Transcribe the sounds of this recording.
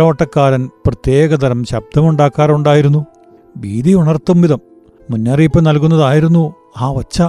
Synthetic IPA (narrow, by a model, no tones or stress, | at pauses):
ɐʋɐʈːɐkːaːɾɐnprɐt̪je̞ːɣɐd̪ɐɾɐmɕɐb̚d̪ʱɐmuɳɖaːkːaːruɳɖaːjiɾunːu | biːd̪iuɳɐrt̪ːumʋiðɐmː | unːaːriːpːɐnɐlkunːɐðaːjiɾunːu | aːʋɐt͡ɕːɐ